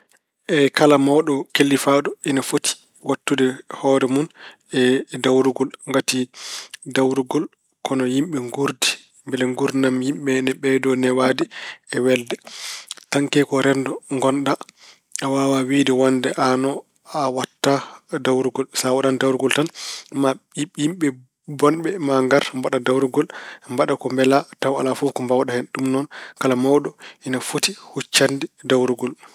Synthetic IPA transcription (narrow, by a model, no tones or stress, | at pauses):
ʔɛkalamɔɗɔkelːifaːdɔinafotʰi̥ | watːudɛhɔːɾɛmun | ɛdawɾuɡɔlŋɡati | dawɾuɡɔl | kɔnɔjimɓɛŋɡuɾdi | mbɛlɛŋɡuɾinamjimɓɛnɛɓɛdɔnɛwaːdiɛwɛldɛtaŋkɛkɔɾɛndɔŋɡɔnɗa | awawawidɛwandɛʔanɔ | awatːadawɾuɡɔlsawaɗandawɾuɡɔltanmaijimɓɛ | bɔnɓɛmaŋɡaɾmbaɗadawɾuɡɔlmbaɗakɔmbɛlatawa̰lafuːkɔmbawaɗahɛnɗumnɔnkalamawɗɔinafotihut͡ʃːandidawɾuɡɔl